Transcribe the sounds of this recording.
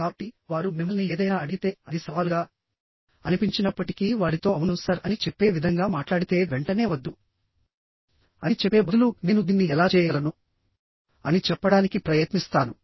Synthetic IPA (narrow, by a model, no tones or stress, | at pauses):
aːbɐʈːiʋaːɾumimːɐlnieːd̪ɐjnaːɐɽiɡit̪e̞ːɐd̪isɐʋaːluɡaː | ɐnipiɲt͡ʃinɐpːɐʈikiʋaːɾit̪o̞ːɐʋunusɐɾɐnit͡ʃepːe̞ːʋid̪ʱɐŋɡaːmaːʈlaːɽit̪e̞ːʋeɳʈɐne̞ːʋɐd̪ːu | ɐnit͡ʃɛpːe̞ːmud̪ulune̞ːnud̪iːnːiɛlaːt͡ʃɛːjɐlɐnu | ɐnit͡ʃɛpːɐɽaːnikipɾɐjɐt̪nist̪aːnu